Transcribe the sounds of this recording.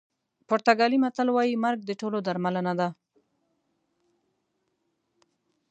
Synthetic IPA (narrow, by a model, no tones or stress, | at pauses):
poɾt̪aɡɑlimat̪alwɑjimaɾɡ̚d̪əʈolod̪aɾmalanad̪a